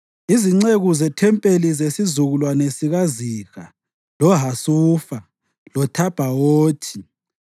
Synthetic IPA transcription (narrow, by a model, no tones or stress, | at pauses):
iziŋ͡ǀeɣuzɛtʰɛmpʼelizesizuɣulwanesiɣaziɣa | lɔɦasuːfa | lɔtʰab̥ʱawoːtʰi̥